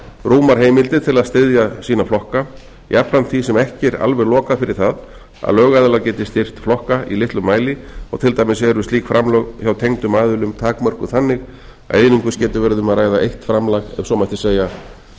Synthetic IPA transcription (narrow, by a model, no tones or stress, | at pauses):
ruːmaɾ̥ɦeːjmɪlt̪ɪt̪ʰɪlaðst̪ɪðjasiːnaflɔhka | japɾant̪θvisɛmɛhcɪɾa̰lvɛɾlɔːkafɪɾɪɾ̥θað | a̰ðlœːɣajðɪlacɛːt̪ɪst̪ɪr̥t̪flɔhkaḭlɪht̪lʏmːaːjlɪɔ̰ɣt̪ʰɪlt̪aːjmɪsɛɾʏst̪liːkfɾamlœɣçawt̪ʰejŋt̪ʏmaːðʏlʏmt̪ʰaːkmœr̥kʏθanːɪɣ | a̰ðejnʏmkvʏscɛːt̪ʏvɛɾðʏmaðɾraːjðaʔejht̪fɾamlaɣɛ̰vsɔmajht̪ɪseːja